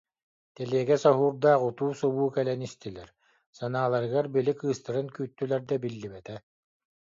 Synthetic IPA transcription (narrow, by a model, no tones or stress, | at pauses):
t̪ɛliɛɡɛsɔɦuːɾd̪aːqut̪uːsuβuːkɛlɛnist̪ilɛɾ | sanaːlˠaɾɯɡaɾbilikɯːst̪ɯɾɯnkyːt̪ːylɛɾd̪ɛbilːibɛt̪ɛ